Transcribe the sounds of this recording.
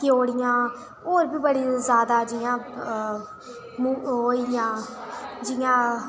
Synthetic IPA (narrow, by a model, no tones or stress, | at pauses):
kɪoːɽɪjãː | oːɾbiːbəɽiːzjaːd̪aːd͡ʒɪjãː | muoːijãːd͡ʒɪjãː